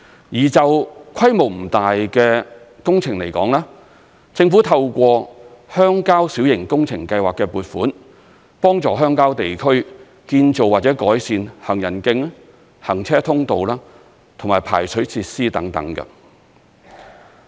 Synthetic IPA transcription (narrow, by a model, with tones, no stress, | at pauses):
jiː˨˩t͡sɐ˨wkʰɐ˥jmo˨˩wm̩˨˩t̪aː˨jkɛː˧ | kʊ˥ŋt͡sʰɪ˨˩ŋle˨˩jkɔː˨˥ŋlaː˥ | t͡sɪ˧ŋfuː˨˥t̪ʰɐ˧wkʷɔː˧hœː˥ŋkaː˥wsiː˨˥wjɪ˨˩ŋkʊ˥ŋt͡sʰɪ˨˩ŋkɐ˧jwaː˨˩kːɛː˧puː˨t̚fuː˨˥n | pɔː˥ŋt͡sɔː˨˧ɦœː˥ŋkaː˥wt̪e˨jkʰɵ˥ɥ | kiː˧nt͡so˨waː˨t̚t͡sɛː˨˥kɔː˨˥jsiː˧nhɐ˨˩ŋjɐ˨˩nkɪ˧ŋ | hɐ˨˩ŋt͡sʰɛː˥t̪ʰʊ˥ŋt̪o˨wlaː˥ | t̪ʰŋmaː˨˩jpʰa̰ː˨˩jt͡sʰɵ˨˥ɥt͡sʰiː˧t̚siː˥t̪ɐ˨˥ŋt̪ɐ̰˨˥ŋkɐ̰˧